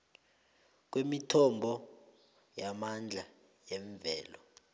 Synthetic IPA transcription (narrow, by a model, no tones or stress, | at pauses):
k̬wemitʰɔmbʱɔ | jamand͡ɮʱa | jɛɱvɛːlɔ